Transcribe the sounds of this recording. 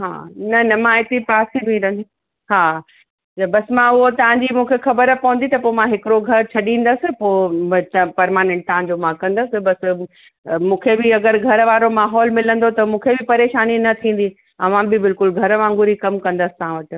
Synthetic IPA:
ɦa̰ːnɐnɐmãɦɪt̪ɾipaːsibĩɾɐ̃nd̪i | ɦaː | bɐsmãʊɦot̪ɐʋ̤ãɲd͡ʑimũːkʰexɐbəɾpɐʋə̃nd̪it̪ɐpoːmãɦɪkɪɾoɡʱɐɾt͡ɕʰɐɗĩːn̆d̪əsɪ̆pot̪ɐpɐɾmaːnẽɳʈ̚t̪ɐʋãɲ̆d͡ʑomãkɐ̃nd̪əsɪ̆bɐs | mũːkʰebɪɐɡəɾɡʱɐɾəʋaːɾomaːɦɔːlmɪlə̃nd̪ot̪ɐmũːkʰebɪpɐɾeːʃaːninɐt̪ʰĩːn̆d̪i | ɐʋãbɪbɪlkʊlɡʱɐɾʋãːŋɡʊɾikɐmkɐ̃nd̪əsɪ̥t̪ɐɦãʋɐʈɪ̆

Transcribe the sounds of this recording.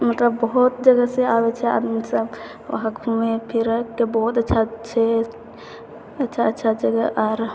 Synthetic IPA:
mət̪ləbːəɦut̪̚d͡ʒəɡəseabɛt͡ʃʰɛa̰d̪misəb | ʋa̰ɦakbʱumepʰiɾkebɔɦut̪ətːʃʰat͡ʃʰɛ | ətːʃʰaətːʃʰad͡ʒəɡəʔɔɾ

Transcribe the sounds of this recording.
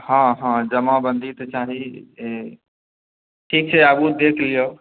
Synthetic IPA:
hãɦãd͡ʒəmabə̃nd̪ʱit̪t͡ʃaɦi | ʈʰiːk̚t͡ʃʰɛəbud̪ekʰlijo

